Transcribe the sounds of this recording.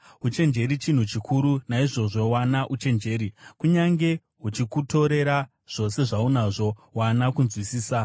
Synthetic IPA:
ɦut͡ʃe̞nd͡ʒe̞ɾit͡ʃin̤ut͡ʃikʰuɾunaiʐo̞ʐo̞wanaʔut͡ʃe̞nd͡ʒe̞ːɾikuɲaŋɡe̞ | ɦut͡ʃikuto̞ɾe̞ɾa | ʐ̥o̞se̞ʐaunaʐo̞wanakunzwisiːsa

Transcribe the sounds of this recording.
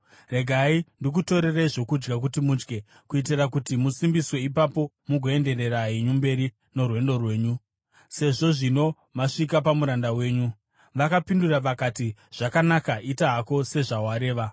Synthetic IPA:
re̞ɡʱaindik̬uto̞ɾe̞raiʐo̞kud͡ʒɡak̬utimud͡ʒɡe̞ | kuit̬irakutimusimbiswe̞ipapo̞ | muɡʱo̞e̞nde̞re̞raiɲumbe̞ɾi | no̞rwe̞ndo̞rwe̞ːɲu | se̞ʐo̞ʐino̞ | maʂik̬apamuɾandawe̞ːɲu | ʋakapinduraʋakatiʐ̥akanakaʔitaɦako̞se̞ʐawaɾe̞ːʋa

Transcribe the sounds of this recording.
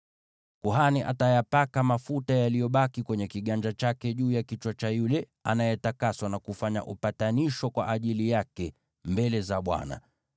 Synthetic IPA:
kuɦaniʔa̰tajapakamafutajalijɔɓakikwɛɲɛkiɠand͡ʒat͡ʃakɛʄuːjakit͡ʃwat͡ʃajulɛ | a̰najɛtakaswanakufaɲa̰ʔupataniʃɔkwa̰ʔaʄilijakɛ | mbɛlɛzaɓwa̰na̰

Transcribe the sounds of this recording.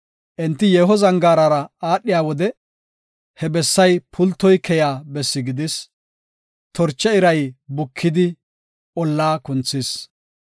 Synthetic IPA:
ʔɛnt̪ːɪjɛːɦɔzɐŋɡaːɾaːɾɐaːɗːɪjaːwɔd̪ɛ | hɛbɛsːɐjpʰʊlt̪ːɔjkʰɛjaːbɛsːɪɡɪd̪ɪs | t̪ɔɾt͡ʃːɛɪɾɐjbʊkʰːɪd̪ɪ | ʔɔlːaːkʊnt͡sːɪs

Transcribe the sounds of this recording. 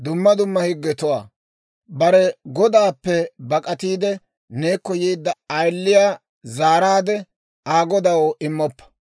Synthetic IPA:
d̪ʊmːɐd̪ʊmːɐhɪɡːɛt̪ʊwaː | bɐɾɛɡɔd̪aːpːɛbɐkʼɐt̪iːd̪ɛ | ne̞ːkːɔjiːd̪ːɐɐjlːɪjaː | zaːɾaːd̪ɛ | aːɡɔd̪ɐwoʔɪmːɔpːɐ̥

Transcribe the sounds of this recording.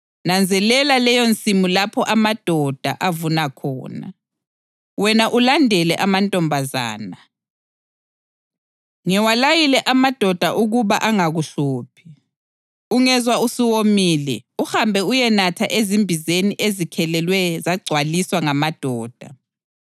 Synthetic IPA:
nand͡zʱɛlɛlalɛjont͡sʼimulapʰɔʔamad̥ʱɔd̥ʱa̰ʔavunakʰɔ̰ːna̰ | wɛnaʔulandʱɛlɛʔamantʼɔmbʱaza̰ːna | ŋɛwalajilɛʔamad̥ʱɔd̥ʱaʔuɣuβaʔaŋaɣuɬoːpʰi̥ | uŋɛzwausiwomiːlɛ̰uhambʱɛujɛnatʰaʔezimbʱizeniʔezikʰɛlɛlwɛzaɡ͡ǀʱwaliswaŋamad̥ʱɔːd̥ʱa

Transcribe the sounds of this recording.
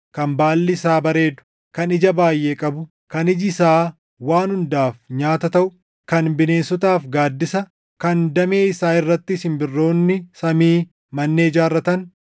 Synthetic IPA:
kɐmbaːlːɪsaːbɐɾe̞ːd̪ʊ̥ | kɐnɪd͡ʒɐbaːjːʔeːkʼɐbʊ | kɐnɪd͡ʒsaː | waːnhʊnd̪aːfɲaːt̪ɐt̪ɐʔʊ | kɐnbɪne̞ːnsɔt̪aːfɡaːd̪ːɪsɐ | kɐnd̪ɐme̞ːɪsaːɪrːɐt̪ːɪsɪmbɪrːo̞ːnːɪsɐmiː | mɐnːeːɪd͡ʒaːrːɐt̪ɐn

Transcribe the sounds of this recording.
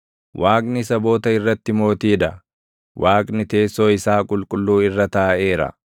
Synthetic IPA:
wʔaːkʼnɪsɐbo̞ːt̪ɐɪrːɐt̪ːɪmo̞ːt̪iːd̪ɐ | waːkʼnɪt̪e̞ːsːo̞ːɪsaːkʼʊlkʼʊlːuːɪrːɐt̪ɐːʔe̞ːɾɐ̰

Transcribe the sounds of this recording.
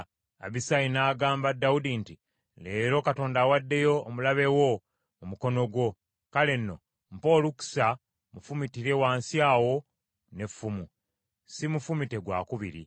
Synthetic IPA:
a̰βisainaːɡaːmbadːaudinti | le̞ːɾo̞kato̞ːndaːwadːe̞jo̞ːmulaβe̞wo̞ | umuko̞no̞ɡwo̞ | kale̞nːo̞̰ | mpo̞ːluku̥sa | mufumitiɾe̞waːnsiaːwo̞ | ne̞fːumu | simufumite̞ɡwa̰ːkuβḭɾḭ

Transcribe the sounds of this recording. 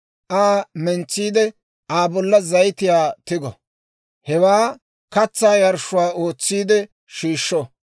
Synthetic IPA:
ʔaːmɛnt͡sːiːd̪ɛ | aːbɔlːɐzɐjt̪ɪjaːt̪ɪɡɔ̰ | hɛwaː | kɐt͡sːaːjɐɾʃʊwaːʔoːt͡sːiːd̪ɛ | ʃiːʃːɔ

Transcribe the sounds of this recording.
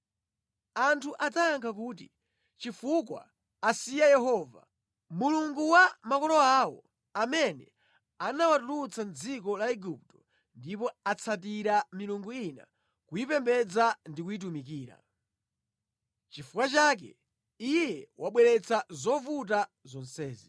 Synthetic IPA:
antʰuʔataːŋkʰak̬uːti | t͡ʃifuk̬wa̰ː | sijajɛɦɔva̰ | muluŋɡuwamakɔlɔaːwɔ̰ | amɛnɛ | anawatulut͡sand͡zik̬ɔlaɛɡup̚tɔ̥ | ndip̬ɔat͡sʰat̬iɾamiluŋɡuina̰ | kuipɛmbɛd͡zandikujit̬umik̬iːɾa̰ | t͡ʃifukwat͡ʃaːk̬ɛ̰ | ijɛwaɓwɛɾɛt͡sʰazɔvut̬a | zɔnsɛːzi

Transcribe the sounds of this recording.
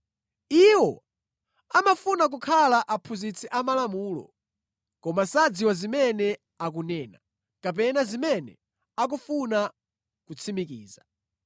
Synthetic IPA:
iwɔ | amafunak̬ukʰalaʔapʰuzit͡sʰiʔamalamuːlɔ̰ | kɔmasad͡ziwazimɛnɛ | akunɛːna | kap̬ɛnazimɛnɛ̰ | ak̬ufuna | kut͡sʰimikiːza

